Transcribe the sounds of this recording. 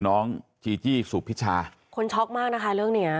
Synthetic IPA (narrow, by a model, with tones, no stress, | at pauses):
nɔː˦˥ŋt͡ɕʰiː˧t͡ɕiː˥˩suː˨˩pʰːi˦˥t͡ɕʰaː˧ | kʰo˧nt͡ɕʰɔ˦˥k̚maː˥˩k̚na˦˥kʰa˦˥ɾɯ˥˩əŋni˦˥ɐ